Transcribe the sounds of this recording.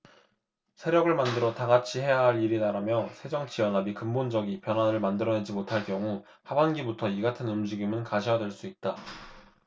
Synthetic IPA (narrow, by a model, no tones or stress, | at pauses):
sʰe̞ɾjʌɡɯɭmandɯɾʌtaɡat͡ɕʰiɦe̞jaɦaɾiɾitaɾamjʌsʰe̞d͡ʑʌŋt͡ɕijʌnɦabikɯmbond͡ʑʌɡipjʌnɦwanɯɭmandɯɾʌne̞d͡ʑimotʰaɭkjʌŋu | habanɡibutʰʌiɡatʰɯnumd͡ʑiɡimɯnkaɕʰijadwe̞ɭs͈uit̚t͈a